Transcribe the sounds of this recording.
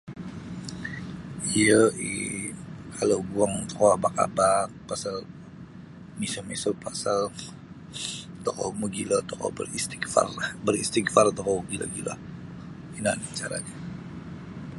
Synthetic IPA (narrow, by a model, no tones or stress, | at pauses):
iəʔḭ | kʰaloɡuaŋt̪ɔ̥kɔabaka̰bak̚pasal | misəmɛsəpasal | t̪ɔkɔməɡilət̪ɔkɔ̰bə̰rist̪i̥kfa̰rbərist̪ikfart̪ɔkɔɡilə̰ɡila̰ | inant͡ʃaɾa̰ɲa